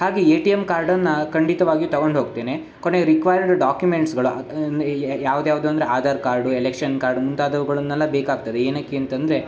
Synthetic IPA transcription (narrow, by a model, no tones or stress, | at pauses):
haːɡeeːʈijemkaːɾɖɐnːɐkɐɳɖit̪ɐʋaːɡijuːt̪ɐɡoɳɖɦo̞ːɡ̚t̪e̞ːne̞ | koneɾikʋajɐɾɖɖaːkjumeɳʈsɡɐɭund̪ejaːʋud̪ejaːʋud̪uːɐnd̪ɾeaːd̪ʱaːɾkaːɾɖuelekʂɐnkaːɾɖmunt̪aːd̪ɐʋuɡɐɭɐnːɛlːɐbeːkaːɡ̚t̪ɐd̪eeːnaːkːiɐnt̪ɐnd̪ɐɾe̞